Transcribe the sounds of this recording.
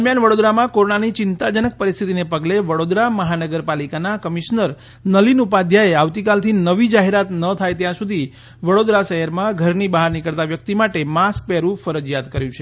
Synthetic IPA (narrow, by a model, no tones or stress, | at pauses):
d̪əɾmjanʋəɽod̪ɾamãkoɾoɳanit͡ʃɪnt̪ad͡ʒənək̚pəɾist̪ʰit̪inepəɡleʋəɽod̪ɾaməɦanəɡəɾpalikanakəmiʃnəɾ | nəlinupad̪ʱjaeaʋt̪ikalt̪ʰinəʋid͡ʒaɦeɾat̪nət̪ʰajt̪jãsud̪ʱi | ʋəɽod̪ɾaʃəɦəɾmãɡʱəɾnibəɦaɾnikəɭt̪aʋjək̚t̪imaʈemask̚pɛɾũfəɾəd͡ʒjat̪kəɾjũt͡ʃʰe